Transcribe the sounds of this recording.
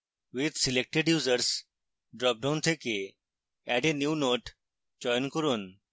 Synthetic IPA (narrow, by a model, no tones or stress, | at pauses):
ʋid̪silek̚ʈeɖjuːzəɾs | ɖɾɔp̚ɖãnt̪ʰeke | ɛɖenjuːnoːʈ | d͡ʒɔjnkɔɾun